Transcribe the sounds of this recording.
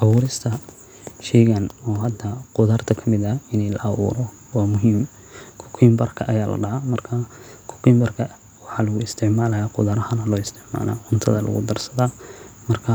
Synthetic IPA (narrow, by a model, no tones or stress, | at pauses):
ʔɐβuːɾɪst̪ʰɐ | ʃɛjɣɐnɔːɦɐd̪ːɐqʊðɐrt̪ʰɐkʰɐmɪðɐɪnɛlɐ̰ʔɐwṵːɾɔ | wɑːmʊɦim | kʰʊ̥kʰɪmbɐrkʰɐʔɐjaːlɐ̰ɖɑʕamɐrkʰɐkʰʊ̥kʰɪmbɐrkʰɐ | wɑħɑːlɐɣʊɪst̪ʰɪʕmaːlɐjaːqʊðɐɾɐhɐnɐlɔːɪst̪ʰɪʕma̰ːla̰ːʕʊnt̪ʰɐ̰ðɐlʔɐ̰ɣʊ̰d̪ɐrsɐðamɐrkʰɐ